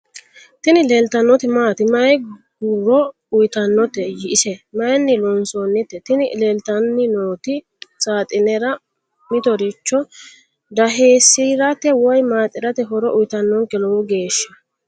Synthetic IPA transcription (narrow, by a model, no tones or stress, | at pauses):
t̪ɪnɪleːlt̪ɐnːɔt̪ɪmaːt̪ɪmɐjɡuɾɔ | ʊjt̪ɐnːɔt̪ɛjɪɪsɛmɐjnːɪlɔnsɔnːɪt̪ːɛt̪ɪnɪleːlt̪ɐnːɪnoːt̪ɪ | t͡sʼaːt̪ʼɪnɛɾɐ | mɪt̪ɔɾɪt͡ʃːɔ | d̪ɐɦeːsːiɾɐt̪ɛwɔjmaːt̪ʼɪɾɐt̪ɛɦɔɾɔʔʊjt̪ɐnːɔŋkɛlɔwʊɡe̞ːʃːɐ